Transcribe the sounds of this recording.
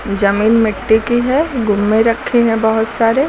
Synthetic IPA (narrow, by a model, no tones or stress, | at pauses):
d͡ʒɐmiːnmɪʈːikiɦɛɡʊmːẽɾɐkʰːeɦɛ̃bɐɦʊt̪saːɾe